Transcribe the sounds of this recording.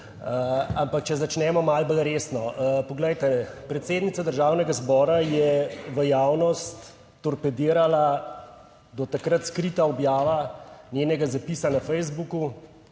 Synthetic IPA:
əampak̚t͡ʃɛzat͡ʃnɛmɔmalbəlɾeːsnɔəpɔɡlɛjt̪ɛpɾɛt̪seːd̪nit̪sad̪əɾʒaːwnɛɡazbɔːɾajɛʋəjaːwnɔst̪ː | ɔɾpɛd̪iːɾala | d̪ɔt̪akɾat̪skɾit̪aɔbjaːʋanjenɛɡazapiːsanafɛjzbuku

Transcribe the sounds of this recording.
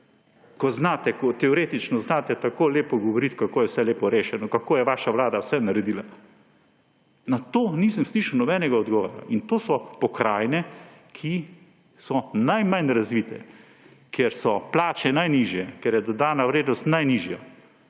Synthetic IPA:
kɔznaːt̪ɛkɔt̪ɛɔɾeːt̪it͡ʃnɔznaːt̪ɛt̪akoːleːpɔɡɔʋɔɾit̪kakoːjɛwsɛleːpɔɾeːʃɛnɔkakoːjɛʋaːʃaʋlaːd̪awsɛnaɾɛd̪iːla | nat̪oːniːsəmsliʃəwnɔbɛnɛɡaɔd̪ɡɔʋɔɾa̰ʔint̪oːsɔpɔkɾaːjnɛkʰi | sɔnajmanɾazʋiːt̪ɛ̰ | kjeɾsɔplaːt͡ʃɛnajniːʒjɛkɛɾjɛd̪ɔd̪aːnaʋɾeːd̪nɔst̪najniːʒja

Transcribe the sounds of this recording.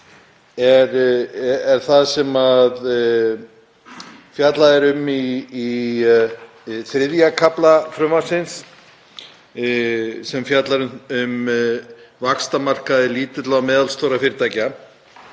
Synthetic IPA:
ɛɾ | ɛɾ̥θaðsɛmað | fjat̪laðɪɾʏmiː | θɾɪðjakʰaplafɾʏmḁsɪns | sɛmfjat̪laɾʏnʏm | vakst̪amar̥kaðɪliːt̪ɪt̪lamɛːðalst̪owɾafɪɾt̪aːjca

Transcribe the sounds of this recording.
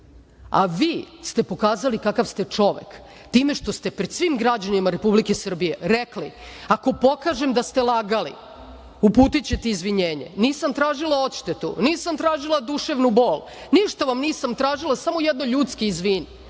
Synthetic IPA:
a̰ʋiːst̪e̞po̞kaːzalikakafst̪e̞t͡ʂo̞ʋḛk | t̪iːme̞ʂt̪o̞st̪e̞pɾed̪sʋimɡɾad͡ʑanimaɾe̞publikesr̩bije̞ɾekli | ako̞po̞kaːʒemd̪ast̪e̞lˠaɡalḭ | upuːt̪it͡ɕe̞t̪eizʋiɲeːɲḛniːsamt̪ɾaːʒilˠao̞t̪ʃt̪et̪ṵniːsamt̪ɾaːʒilˠad̪uʃeʋnuboːl | niʃt̪aʋamniːsamt̪ɾaːʒilˠasamo̞jed̪noʎuːt̪skeizʋiːni

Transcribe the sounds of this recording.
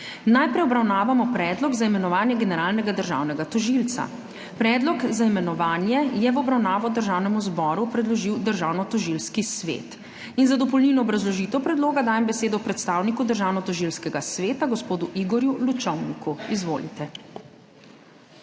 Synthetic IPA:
najpɾɛjɔbɾawnaːʋamɔpɾɛd̪lɔɡzaimɛnɔʋaːnjɛɡɛnɛɾaːlnɛɡad̪əɾʒa̰ːwnɛɡat̪ɔʒilt̪sa̰ | pɾɛːd̪lɔkzaimɛnɔʋaːnjɛjɛʋɔbɾawnaːʋɔd̪əɾʒaːwnɛmuzbɔːɾupɾɛd̪lɔʒiwd̪əɾʒaːwnɔt̪ɔʒilskisʋḛt̪ | inzad̪ɔp̬ɔlninɔːbɾazlɔʒiːt̪ɛwpɾɛd̪loːɡad̪aːjɛmbɛseːd̪ɔpɾɛt̪st̪aːwnikud̪əɾʒaːwnɔt̪ɔʒilskɛɡasʋeːt̪aɡɔspoːd̪uʔiɡɔɾjulut͡ʃɔwnikuizʋo̰ːlit̪ɛ

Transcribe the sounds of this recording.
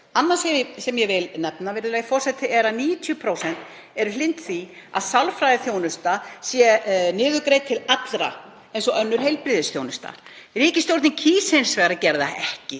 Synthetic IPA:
anːasɛsɛmjɛvɪlnɛpnavɛɾɪlajfɔr̥sɛt̪ʰɪʔɛɾaniːjʏt̪ʰjʏpʰɾowsɛn̥t̪ | ɛɾʏlɪnt̪θia̰ðsawlfɾajðɪθjownʏst̪asjɛnɪːðʏkɾejt̪ʰɪlat̪lɾa̰ | ejnsɔʔœnːʏɾ̥ɦejlpɾɪðɪsθjownʏst̪a̰riːcɪst̪jowɾt̪nɪcʰiːsejnsvɛːɣɾacɛɾðaɛhcɪ

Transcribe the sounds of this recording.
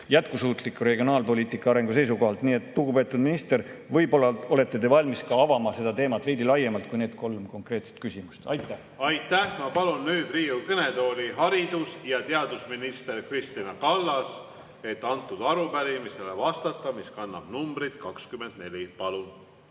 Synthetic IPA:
jæt̪̚kusuːt̪ˑlikːˑuɾe̞ɡio̞nɑːlpo̞lʲiːt̪ˑikːˑɑɑɾe̞ŋɡuse̞js̬uko̞ɦɑlt̪ˑniːe̞t̪ːluɡupe̞ːt̪ːˑud̪minist̪e̞ɾvɤjbolɑo̞le̞t̪ˑːe̞t̪e̞vɑlʲmiskɑɑvɑmɑse̞d̪ɑt̪e̞ːmɑt̪ːve̞jd̪ilɑje̞mɑlt̪kujne̞ːd̪̚ko̞lmko̞ŋkre̞ːt̪se̥t̪̚kysimust̪ɑjt̪ːˑæ | ɑjt̪ːæhmɑpɑlunːyːd̪̥riːukɤne̞t̪o̞ːlʲiɦɑɾid̪̥usjɑt̪eɑd̪̥usminist̪e̞ɾkrist̪inɑkɑlːɑs | e̞t̪ːɑnt̪ːˑud̪̥ɑɾupæɾimiselevɑst̪ɑt̪ːˑɑmiskɑnːɑ̰b̥numbɾid̪̥kɑkskymend̪ne̞lʲipɑlun

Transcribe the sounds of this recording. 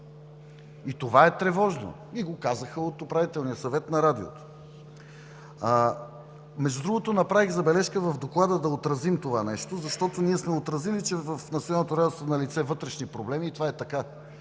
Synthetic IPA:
it̪ovaɛt̪ɾɛvɔʒno̰ | iɡokazəxəot̪opɾavit̪ɛlˠnijəsɐvɛt̪nɐɾad̪io̰t̪o̥ | mɛʒd̪ud̪ɾuɡot̪onɐpɾaviɣzɐbɛlɛʃkəvɐvd̪oklˠad̪əd̪ɐot̪ɾɐzimt̪ovanɛʃt̪ozɐʃt̪ɔt̪oniɛsmɛot̪ɾɐzilit͡ʃɛvəfnɐt̪sʲjonanot̪oɾad̪ɛst̪vonɐlit̪sɛvɤt̪ɾɛʃnipɾoblɛmiːt̪ovaɛt̪ɐka

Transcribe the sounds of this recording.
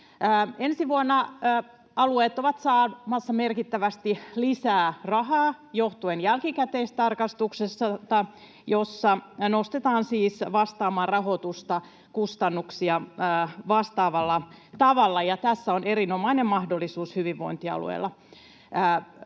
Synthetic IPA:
ensiʋuonːɑː | ɑlueːt̪oʋɑt̪sɑːmɑsːɑmerkit̪ːæʋæst̪ilisæːrɑhɑː | joht̪uenjælkikæt̪eist̪ɑrkɑst̪uksesːɑt̪ɑ | josːɑnost̪et̪ɑːnsiːsʋɑst̪ɑːmɑːrrɑɦot̪ust̪ɑ | kust̪ɑnːuksiɑːʋɑst̪ɑːʋɑlːɑt̪ɑʋɑlːɑjɑt̪æsːæoneɾinomɑinemmɑhdolːisuːshyʋiʋʋo̰int̪iɑ̰lṵḛilːɑ | əː

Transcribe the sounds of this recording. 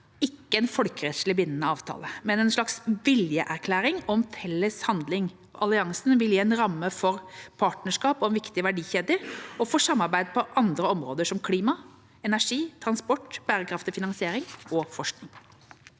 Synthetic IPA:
ɪkːəɛnfɔlkəɾɛt̪slɪbɪnənəɑːʋt̪ʰɑ̰ːləmɛnɛnʂɭɑksʋɪljəʔæɾkʰlæːɾɪŋɔmfɛlːəshɑnd̪lɪŋ | ɔ̰ʔɑlɪɑŋsnʋɪljiːɛnɾɑmːəfɔɾpʰɑːʈnəʂkɑːpɔɛnʋɪkt̪ɪʋæɖiːçeːd̪əɔfoːʂɑmːɑɾbæɪd̪̚pʰɔʔɑnd̪ɾəɔmɾoːd̪əʂɔmkʰliːmɑ | ɛnæʂiːt̪ʰɾɑnspɔʈːb̥æːɾəkʰɾɑft̪ɪfɪnɑŋsɪeːɾɪŋɔfɔʂknɪŋ

